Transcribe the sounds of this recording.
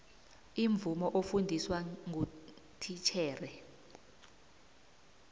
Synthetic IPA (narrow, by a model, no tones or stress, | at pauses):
iɱvumɔʔofundʱiswaŋu | tʰit͡ʃʰɛːrɛ